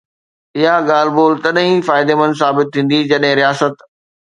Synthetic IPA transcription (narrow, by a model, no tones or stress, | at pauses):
ɪɦaɠaːl̤boːlt̪ɐɗɦĩfaːɪd̪emɐ̃nsaːbɪt̪ʰːĩːn̆d̪id͡ʑɐɗɦɪ̃ɾijaːsət̪